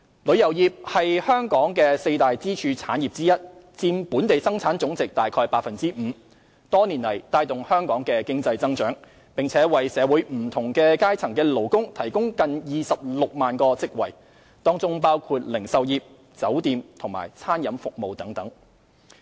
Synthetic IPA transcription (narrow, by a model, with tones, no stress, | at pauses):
lɵ˨˧ɥjɐ˨˩wjiː˨˩p̚hɐ˨jhœː˥ŋkɔː˨˥ŋkɛː˧se˧jt̪aː˨jt͡siː˥t͡ʃʰyː˧t͡sʰa̰ː˨˥njiː˨p̚t͡siː˥jɐ˥t̚t͡siː˧mpuː˨˥nt̪e˨jsɐ˥ŋt͡sʰaː˨˥nt͡sʊ˨˥ŋt͡sɪ˨k̚t̪aː˨˩jkʰɔː˧jpaː˧k̚fɐ˨nt͡siː˥m̩ː˨˩˦ | t̪ɔː˥niː˨˩nlɐ˨˩jt̪aː˧jt̪ʊ˨ŋhœː˥ŋkɔː˨˥ŋkɛː˧kɪ˥ŋt͡sɐ˧jt͡sɐ˥ŋt͡ʃœː˨˥ŋ | pɪ˨ŋt͡sʰɛː˨˥wɐ˨jsɛː˨˧wuː˨˥jm̩˨˩t̪ʰʊ˨˩ŋkɛː˧kaː˥jt͡sʰɐ˨˩ŋkɛː˧lo˨˩wkʊ˥ŋt̪ʰɐ˨˩jkʊ˥ŋkɐ˨njiː˨sɐ˨p̚lʊ˨k̚maː˨nkɔː˧t͡sɪ˥k̚wɐ˨˩j | t̪ɔː˥ŋt͡sʊ˥ŋpaː˥wkʰuː˧t̚lɪ˨˩ŋsɐ˨wjiː˨p̚ | t͡sɐ˨˥wt̪iː˨˧mt̪ʰʊ˨˩ŋma̰ː˨˩jt͡sʰaː˥njɐ˨˧˥mfʊ˨k̚mo˨wt̪ɐ˨˥ŋt̪ɐ˨˥ŋ